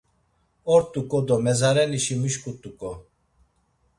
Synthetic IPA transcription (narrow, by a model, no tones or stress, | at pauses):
ɔɾt̪ʼukʼɔd̪ɔmɛzaɾɛniʃimiʃkʼut̪ʼukʼɔ